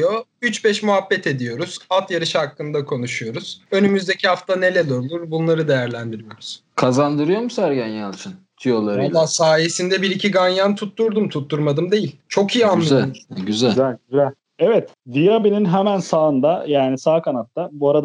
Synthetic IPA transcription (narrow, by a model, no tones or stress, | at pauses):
joyt͡ʃbɛʃmuɦabːɛt̪ʰe̞d̪ijo̞ɾuz̥alˠt̪jaɾɯʃhakːɯnd̪akʰo̞nuʃujo̞ɾuz̥ø̞nymyzd̪e̞cʰihaft̪ʰane̞lʲelˠoɾlˠuɾbunlˠaɾɯd̪e̞jæɾlʲænd̪iɾijo̞ɾuz̥kʰazand̪ɯɾɯjo̞musæɾɡanjanˠt͡ʃʰɯn | t̪ʰijolˠaɾod̪asaːje̞sind̪ɛbiɾicʰiɡanjant̪ʰut̪ːuɾd̪umt̪ʰut̪ːuɾmad̪ɯmd̪e̞jilʲt͡ʃʰo̞kijianːˠɯɟyzælzælʲɟyzælʲ | ɛvɛt̪ | d̪ijabininɦɛmænsaːɯnd̪ajaːnisaːkʰanat̪ːabuaɾad̪